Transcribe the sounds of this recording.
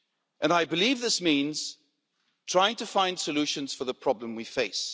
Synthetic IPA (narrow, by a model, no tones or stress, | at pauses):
ʔɨ̃naɪbɨlivðɪsmĩnz̥ | tʰɹ̥aɪɪ̃ŋtʰɨfãɪ̃nd̥sɨlʉʃɨ̃nz̥fə˞ðəpʰɹ̥ɑblə̃mwifeɪs